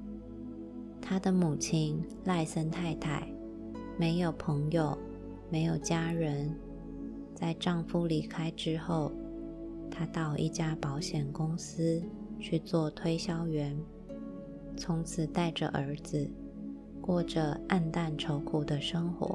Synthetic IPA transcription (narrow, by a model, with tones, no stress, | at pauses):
t̪ʰa˥d̪ə˨mu˨˩t͡ɕʰi˥n | la˥˩ɪsə˥nt̪ʰa˥˧ɪt̪ʰa˨˩ɪ | me˧˥ɪjo˨˩ʊpʰɤ˧˥ŋjo˨˩ʊ | me˧˥ɪjo˨˩ʊt͡ɕja˥ɻə˧˦˥n | t͡sa˥˧ɪʈ͡ʂɑ˥˩ŋfu˥li˧˥˩kʰa˥ɪʈ͡ʂɻ̩˥xo˥˩ʊ | t̪ʰa˥t̪ɑ˥˧ʊʔḭ˥˩t͡ɕja˥pɑ˧˥ʊɕjɛ˨˩nkʊ˥ŋs̩˥t͡ɕʰy˥˧t͡swɔ˥˩t̪ʰwe˥ɪɕjɑ˥ʊɥɛ˧˥n | t͡sʰʊ˧˥ŋt͡sʰɹ̩˨˩t̪a˥˩ɪʈ͡ʂə̰˨˩ʔə˞˧˥d͡z̩˧ | kwɔ˥˩ʈ͡ʂə˩a˥˧nt̪a˥˩nʈ͡ʂʰo˧˥ʊkʰu˨˩d̪ə˦ʂɤ˥ŋxwɔ̰˧˥˦